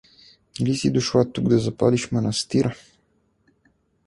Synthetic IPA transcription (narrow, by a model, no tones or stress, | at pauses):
ilisid̪ʊʃlˠat̪uɡd̪ɐzɐpaliʃmɐnɐst̪iɾə